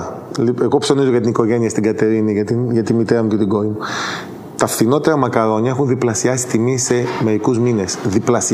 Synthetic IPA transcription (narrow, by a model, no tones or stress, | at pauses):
lie̞ɣo̞pso̞nizoʝɐt̪iniko̞ʝe̞niɐst̪iɡɐt̪e̞ɾiniʝɐt̪inʝɐt̪imit̪e̞ɾɐmuce̞t̪iɡo̞ɾimu | t̪ɐfθinot̪e̞ɾɐmɐkɐɾo̞ɲɐe̞xunðiplɐsiɐsi̥t̪imise̞me̞ɾikuzmine̞sðiplɐsi